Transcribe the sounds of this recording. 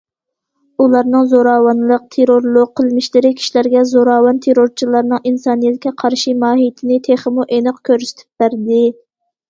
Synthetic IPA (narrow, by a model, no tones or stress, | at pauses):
ulˠɑɾnɨŋzoɾɑːwɑnlˠəq̚t̪ʰeɾoɾlˠʊq̚qʰːəlˠmɪʃlɪɾɪkʲʰi̥ʃilæɾɡʲɛzoɾɑːwɑnt̪ʰeɾoɾt͡ʃʰilˠɑɾnɨŋʔinsɑːnijɛt̪kʲɛqʰɑɾʃimɑːɦijt̪ʰɪnɪt̪ʰeχəmuʔenɨqkʲʰøɾsɪ̥t̪ʰy̥p̚b̥æɾd̪ɪ